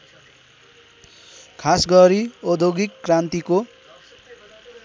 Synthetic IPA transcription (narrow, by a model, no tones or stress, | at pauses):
kʰasɡʌɾiod̪ʱoɡikːrant̪iko